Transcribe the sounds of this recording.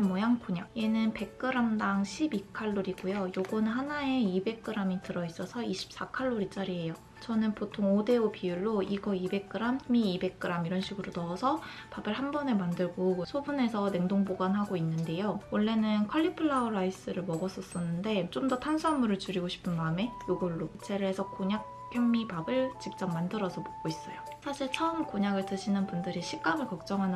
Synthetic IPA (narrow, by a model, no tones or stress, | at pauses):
mojaŋkʰuɲaje̞nɯnpe̞k̚k͈ɯɾamdaŋɕʰibikʰaɭːoɾiɡojojoɡʌnɯnhanaeibe̞k̚k͈ɯɾamitɯɾʌis͈ʌsʰʌiɕʰi̥p̚s͈akʰaɭːoɾit͡ɕ͈aɾiɦe̞jo | t͡ɕʌnɯnpotʰoŋode̞opijuɭːoiɡʌibe̞k͈̚ɯɾammiːbe̞k͈̚ɯɾamiɾʌnɕʰiɡɯɾonʌːsʰʌ | pabɯɭhanbʌne̞mandɯɭɡosʰobune̞sʰʌne̞ŋdoŋboɡanɦaɡoinːɯnde̞jowʌɭːe̞nɯnkʰʌʎːipʰɯɭːauɾais͈ɯɾɯɭmʌɡʌs͈ʌs͈ʌnːɯnde̞t͡ɕomdʌtʰansʰuamːuɾɯɭt͡ɕuɾiɡoɕʰi̥pʰɯnmaɯme̞joɡʌɭːot͡ɕʰe̞ɾɯɭɦe̞sʰʌkoɲak̚ | jʌmːipabɯɭt͡ɕip̚t͡ɕ͈ʌmːandɯɾʌsʰʌmʌk̚k͈ois͈ʌjo | sʰaɕʰiɭt͡ɕʰʌɯmkoɲaɡɯɭtɯɕʰinɯnbundɯɾiɕʰik͈amɯɭkʌk̚t͡ɕ͈ʌŋɦanɯ